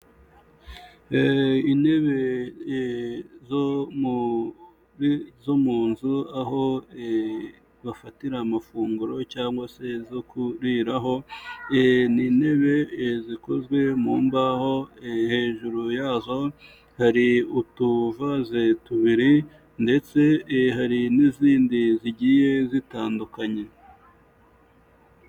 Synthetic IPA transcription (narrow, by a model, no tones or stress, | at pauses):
ine̞βe̞ | zom | zomuːnzuaɦo̞e | βafatiɾamafuːŋɡuɾo̞caːŋɡwase̞zokuɾiɾaɦo̞ | nine̞βe̞ziko̞zɡwe̞muːmbaho̞ehe̞ːʒuɾujaːzo̞ | haɾiutuvazetuβiɾi | nde̞t͡se̞haɾiniziːndiziɟiːje̞zitaːndukaɲe̞